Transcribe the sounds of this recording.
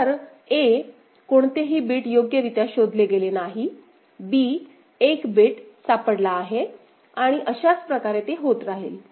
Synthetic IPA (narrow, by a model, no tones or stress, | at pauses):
t̪əɾ | e | koɳt̪eɦiːbiːʈjoɡjəɾit̪jaɕod̪ʱleɡelenaɦi | biː | ekbiʈsapəɽlaːɦe | aɽ̃iʔəɕat͡spɾəkaɾet̪eɦot̪ɾaɦel